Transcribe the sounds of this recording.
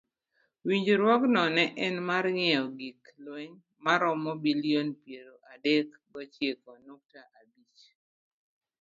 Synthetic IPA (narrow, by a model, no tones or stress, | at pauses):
wiɲd͡ʒoɾwɔknɔnɛʔɛnmarŋɪɛɔɡiklweɲ | maɾɔmɔbilionpjeɾoʔadek | ɡɔt͡ʃjekɔnok̚taʔabit͡ʃ